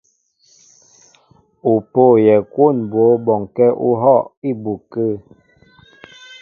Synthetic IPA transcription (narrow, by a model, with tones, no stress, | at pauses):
u˨po˦˨jɛ˨kwo˦˨nbwo˨˦bɔ˨ŋkɛ˦ʔu˦ɦɔ˦˨ʔi˦˨bu˨kə˦˨